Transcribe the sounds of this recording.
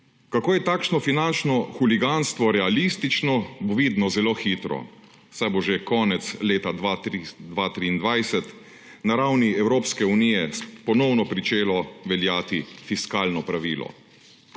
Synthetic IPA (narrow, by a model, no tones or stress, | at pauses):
kakoːjɛt̪aːkʃnɔfinant͡ʃnɔxuliɡanst̪ʋɔɾɛalist̪it͡ʃnɔboʋiːd̪nɔzɛloːxiːt̪ɾɔ̰ | wsajboʒekɔːnɛt̪sleːt̪ad̪ad̪ʋaːt̪ɾiːnd̪ʋajsɛt̪ | naɾawniɛwɾoːpskɛuniːjɛpɔnɔwnɔpɾit͡ʃeːlɔʋɛljaːt̪ifiskaːlnɔpɾaʋiːlɔ̰